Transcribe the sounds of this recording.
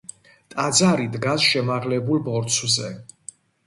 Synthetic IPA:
t̪ʼad̪zaɾid̪ɡasʃɛmaʁlɛbulbɔɾt̪sʰzɛ

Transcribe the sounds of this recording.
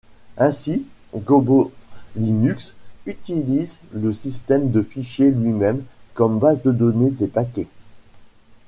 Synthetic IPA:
ɛ̃si | ɡobolinyksyt̪ilizləsist̪ɛmd̪əfiʃjelɥimɛmkɔmbazd̪əd̪ɔned̪epakʲɛ

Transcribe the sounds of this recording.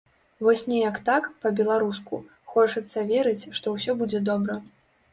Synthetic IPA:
vɔsʲnʲɛjɐkt̪akpɐbʲɛlˠaɾusku | xɔt͡ʂɐt̪sːɐvʲeɾɨt͡sʲʂt̪ɔwsʲɔbud͡zʲɛd̪ɔbɾɐ

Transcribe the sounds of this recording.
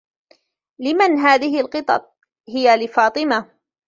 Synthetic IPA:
lɪmanɦaːðɪhɪlqɨt̪ˤɑ̰t̪̚ˤ | hɪjalɪfɑːt̪ˤɨma

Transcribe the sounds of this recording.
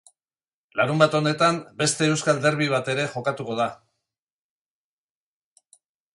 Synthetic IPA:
laɾumbat̪o̞ne̞t̪ambe̞st̪e̞ːwskald̪e̞ɾβiβ̞at̪e̞ɾe̞ʝo̞kat̪uko̞ð̞a

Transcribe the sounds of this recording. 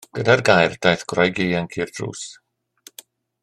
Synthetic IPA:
ɡ̥ədarɡajrd̥ajθɡ̥rɔjɡiːənkʰiːrd̥rṵːs

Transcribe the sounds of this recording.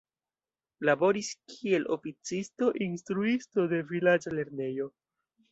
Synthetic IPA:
labo̞ɾiskʰie̞lo̞̰fit͡sisto̞ʔinstɾuisto̞de̞vilad͡ʒale̞ɾne̞jo̞

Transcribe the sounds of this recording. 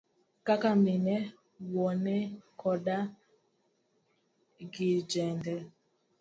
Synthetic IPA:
kakaminɛ | wɔnɛkʰɔda | ɡid͡ʒɛndɛ

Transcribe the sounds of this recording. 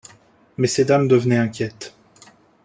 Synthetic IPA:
mɛsed̪amd̪əvnɛɛ̃kʲjɛt̪

